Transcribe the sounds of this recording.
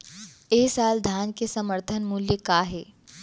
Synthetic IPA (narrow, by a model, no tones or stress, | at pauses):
eːsaːld̪ʱaːnkesəməɾt̪ʰənmuljəkaːɦe